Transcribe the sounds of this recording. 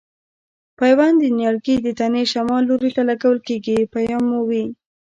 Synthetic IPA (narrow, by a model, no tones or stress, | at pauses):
pajwand̪ənjɑɽɡid̪ət̪aneʃamɑlːoɾit̪alaɡawəlkeɡipajɑmːuwi